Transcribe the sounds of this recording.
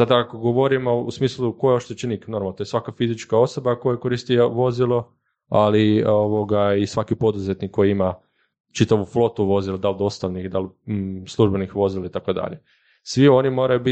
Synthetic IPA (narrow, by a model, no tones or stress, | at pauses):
sad̪akakoɡoʋo̞ɾimo̞ṵsmiːslˠukojeoʃt̪et͡ʃeniknoɾmalot̪ojesʋakafizit͡ʃkao̞so̞bako̞jekoɾist̪ieʋo̞zilˠo̞ | alioʋoɡaisʋakipo̞d̪uzet̪nikːo̞jiima | t͡ʃit̪aʋuflo̞t̪uʋo̞zilad̪ald̪o̞st̪aʋnixd̪alˠslˠuʒbenixʋo̞zilait̪akod̪a̰ʎe | sʋio̞nimo̞ːɾajubi